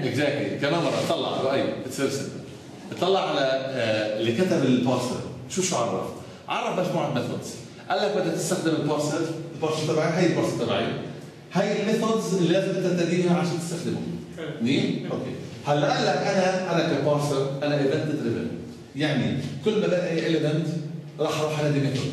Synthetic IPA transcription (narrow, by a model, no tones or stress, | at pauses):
ʔɪɡzak̚t̪lḭkamaːnmɑɾˤʔɑt̪ˤːɑlːɑ̰ʕa̰ɾaʔajːbɪt̪sˤiːɾsɪa̰ | ʔt̪ˤːɑlːɑʕʕalaɪlkat̪abɪlpɑːɾsə̰ɾ | ʃuːʃʊʕɑɾˤɾˤɑ̰ft̪ˤ | ʕɑrˤːɑbmaʒmuːʕalmɪθɑ̰d̪z̥ | ʔalːak̚bɪd̪ːat̪ɪst̪axd̪ɪmɪlpɑːɾˤsəɾɪlbɑːɾsəɾt̪ˤɑbʕiɦajːɪlbɑɾsəɾt̪ˤɑbʕḭ | hajːɪlmɪθɑd̪zɪlːiʔaɣɪt̪ːat̪ːad̪iːhaʕaʃæːnt̪ɪ̥st̪axd̪ɪmʊ̰ | niːʔokḛ | halːaʔalːakʔanaʔanakapɑːɾsəɾʔanaʔɪband̪ɪd̪ɾɪvɪ̰l̰ | jaʕnikʊlːmad̪anʔajʔelɪmɪnt̪ | ɾˤɑħɾˤuːħʔanad̪imɪt̪o